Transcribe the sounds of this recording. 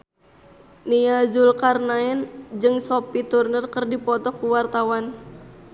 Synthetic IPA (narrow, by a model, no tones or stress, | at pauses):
niad͡ʒulkarnaɛnd͡ʒɨŋsopit̪urnərkərdipɔt̪ɔkːuwart̪awan